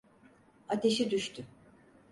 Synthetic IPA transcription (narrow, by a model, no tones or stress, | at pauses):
at̪ʰe̞ʃid̪yʃt̪ʰy